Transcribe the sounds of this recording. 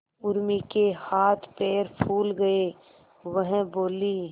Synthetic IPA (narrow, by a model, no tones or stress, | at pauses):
ʊɾmikehaːt̪ʰpeːɾpʰuːlɡəe | ʋəɦboːliː